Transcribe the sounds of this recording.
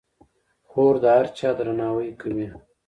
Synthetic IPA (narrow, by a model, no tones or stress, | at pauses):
xoːɾd̪aɾt͡ʃaːd̪ɾɐnaːwəjkəmi